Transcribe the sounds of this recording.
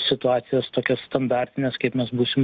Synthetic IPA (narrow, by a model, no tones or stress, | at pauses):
sʲɪt̪ʊɑːt̪sʲɪjɛst̪oːkʲɛsst̪ɐnd̪ɑːrʲt̪ʲɪnʲɛskɐɪpmʲɛsbuːsʲɪm